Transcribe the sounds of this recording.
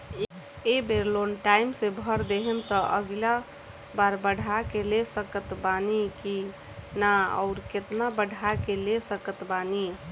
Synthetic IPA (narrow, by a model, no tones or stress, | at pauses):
ebeɾlonʈaimsebʱəɾd̪eɦent̪əʔə̰ɡla | baɾbəɽʱakelesəkət̪baniki | naə̰ʊɾket̪nabəɽʱakelesəkət̪bani